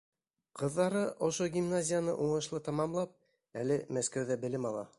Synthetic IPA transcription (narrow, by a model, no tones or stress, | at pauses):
qɤ̆ðːɑɾɤʔŏʃoɡʲimnazʲɪjanɤʔuɴɤ̆ʃlˠɤt̪ɑmɑmlˠɑp̚ | ælɘmæskæwðæbɘ̆lɘmɑlˠɑ̰